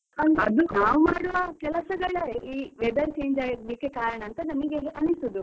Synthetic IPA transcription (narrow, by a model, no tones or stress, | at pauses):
ɐnɐ̰d̪unaːʋumaːɽuʋɐkɛlɐsɐɡɐɭɐɾeʔiːʋɛd̪ɐɾt͡ʃeːɲd͡ʒaːɡɐd̪ikekaːɾɐɳɐːnt̪ɐnɐmɐɡeʔɐnːisud̪u